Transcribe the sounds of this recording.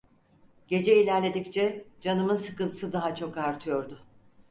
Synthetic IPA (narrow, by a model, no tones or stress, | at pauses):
ɟe̞d͡ʒɛilʲæɾlʲe̞d̪ict͡ʃʰɛd͡ʒanɯmɯnsɯkɯnt̪ʰɯ̥sɯd̪aɦat͡ʃʰo̞kaɾt̪ʰɯjo̞ɾd̪ʊ